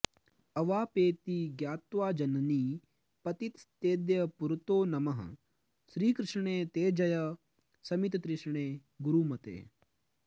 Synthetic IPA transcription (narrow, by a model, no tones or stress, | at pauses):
ɐʋaːpeːt̪iːɡjaːt̪ʋaːd͡ʒɐnɐniː | pɐt̪it̪st̪eːd̪jɐpuɾt̪oːnɐmɐɦ | ʃɾiːkɾɪʂɳeːt̪eːd͡ʒɐjɐ | sɐmit̪t̪ɾɪʃɳeː | ɡuɾuːmɐt̪ḛː